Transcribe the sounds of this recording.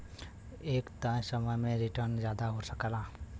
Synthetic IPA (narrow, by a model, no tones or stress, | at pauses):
eːkt̪ə̃səməjmẽɾɪʈəɾnd͡ʒjaːd̪aɦosəkəlaː